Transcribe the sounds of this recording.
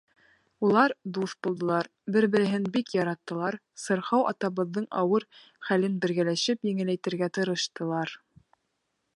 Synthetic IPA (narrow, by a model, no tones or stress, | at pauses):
ulˠɑɾd̪uθbulˠd̪ɤ̆lˠɑɾ | bɘɾbɘ̆ɾɘ̆ɦɘnbikjɑɾɑt̪ːɤ̆lˠɑɾ | sɤ̆ɾχɑwʔɑ̰t̪ɑβɤ̆ðːɤɴɑ̰wɤɾ | χælɘnbɘ̆ɾɡælæʃɘpjɘ̆ŋɘ̆læjt̪ɘ̆ɾɡæt̪ɤ̆ɾɤ̆ʃt̪ɤ̆lˠɑɾ